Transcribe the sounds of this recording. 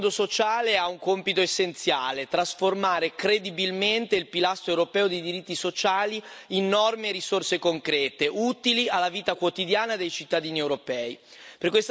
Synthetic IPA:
d̪osot͡ʃaːleauŋkompit̪oesːent̪sjaːlet̪ɾasformaːɾekɾed̪ibilment̪eilpilast̪ɾoewɾopɛːod̪ejd̪iɾit̪ːisot͡ʃaːliinːɔrmeɾisorsekoŋkɾɛːt̪eʔut̪ilialːaviːt̪akwot̪id̪jaːnad̪ejt͡ʃit̪ːad̪iːniewɾopɛːi | perkwes

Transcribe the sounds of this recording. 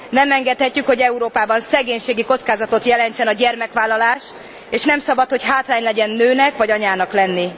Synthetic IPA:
nɛmɛŋɡɛt̪hɛcːykho̞ɟɛuɾoːpaːbɒnsɛɡeːɲʃeːɡiko̞t̪skaːzɒt̪o̞t̪jɛlɛnt͡ʃɛnɒɟɛrmɛkʋaːlːɒlaːʃ | eːʃnɛmsɒbɒt̪ho̞cɦaːt̪laːɲlɛɟɛnːøːnɛkʋɒɟɒɲaːnɒklɛnːi

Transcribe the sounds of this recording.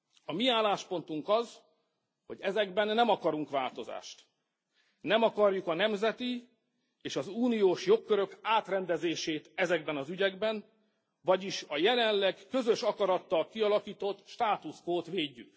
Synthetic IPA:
ɒmiaːlːaːʃpo̞nt̪uŋkɒz | ho̞ɟɛzɛɡbɛnːɛmɒkɒɾuŋkʋa̰ːlt̪o̞za̰ːʃt̪ | nɛmɒkɒrjukɒnɛmzɛt̪i | eːʃɒzuːnijoːʃjo̞kːøɾø̞kaːt̪rɛnd̪ɛzeːʃeːt̪ɛzɛɡbɛnɒzyɟɛɡbɛn | vɒɟiʃɒjɛlɛnlɛɡkø̞zø̞ʃɒkɒɾɒt̪ːɒlkiɒlɒkiːt̪o̞t̪ːʃt̪aːt̪uskoːt̪ʋeːɟːy̰k

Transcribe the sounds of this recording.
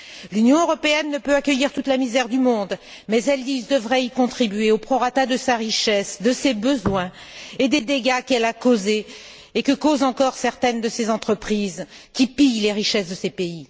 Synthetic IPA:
lynjɔ̃øʁɔpeɛnːəpøakʲœjiʁt̪ut̪lamizɛʁd̪ymɔ̃d̪ | mɛzɛld̪izd̪əvʁɛikɔ̃t̪χibɥeopχɔʁat̪ad̪əsaʁiʃɛsd̪əsebəzwɛ̃ | ed̪ed̪eɡakɛlakozeː | kəkozɑ̃kɔʁsɛʁt̪ɛnd̪əsezɑ̃t̪χəpχizkʲipijleʁiʃɛsd̪əsepei

